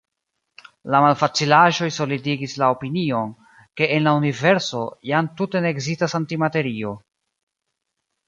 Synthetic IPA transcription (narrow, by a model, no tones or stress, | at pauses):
lamalfat͡silaʒo̞jsolidiɡislao̞pinio̞n | ke̞ʔːnlaunive̞ɾso̞jamtute̞ne̞ːɡzistasantimate̞ɾio̞